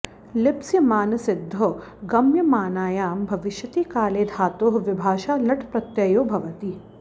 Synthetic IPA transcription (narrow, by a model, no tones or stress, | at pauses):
lɪpsjɐmaːnɐsɪd̪ʱːoɡɐmjɐmaːnaːjaːmbʱɐʋɪʃjɐt̪iːkaːleːd̪ʱaːt̪oːɦʋɪbʱaːʃaːlɐʈʰpɾɐt̪jɐjoːbʱɐʋɐt̪iː